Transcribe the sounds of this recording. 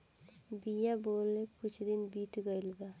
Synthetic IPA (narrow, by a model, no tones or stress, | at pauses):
bijaboːlekʊt͡ʃʰd̪ɪnbiːt̪ɡəilɡa